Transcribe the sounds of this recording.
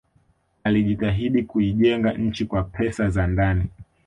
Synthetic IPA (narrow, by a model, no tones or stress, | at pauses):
aliʄitaɦiɗikuiʄɛŋɡaɲ̩t͡ʃikwapʰɛsazandani